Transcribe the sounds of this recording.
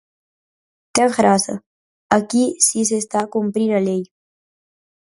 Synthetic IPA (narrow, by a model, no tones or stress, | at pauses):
keɣɾasa̰ | akisis̬est̪akumpɾiɾalej